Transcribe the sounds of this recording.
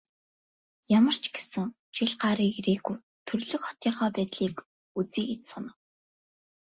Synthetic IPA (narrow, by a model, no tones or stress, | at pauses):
jamə̆r̥t͡ɕʰɡe̥sɘ̆ŋ | t͡ɕiɮɢaɾiːkiɾeːɡuj | t̪ʰɵrɮɵ̆kχɔ̥t̪iːχɔːpæːt̪ɮiːk | ut͡siːkit͡ɕsɔnə̆w